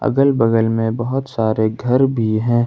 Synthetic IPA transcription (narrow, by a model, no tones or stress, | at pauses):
ɐ̰ɡəlbəɡəlmẽbɐɦʊt̪saːɾeɡʱɐɾbʱiɦɛ̃ː